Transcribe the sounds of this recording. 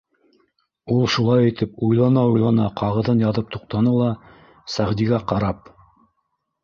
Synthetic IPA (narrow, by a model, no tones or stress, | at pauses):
ulˠʃulˠɑjɘ̆t̪ɘpujlˠɑnɑujlˠɑnɑqʰɑʁɤ̆ðɤnjɑðɤp̚t̪uq̚t̪ɑnɤlˠɑ | sæʁd̪iɡæqɑɾɑp̚